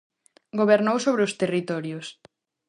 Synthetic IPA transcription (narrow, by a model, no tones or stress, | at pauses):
ɡoβeɾnowsoβɾeʊst̪erit̪ɔɾjʊs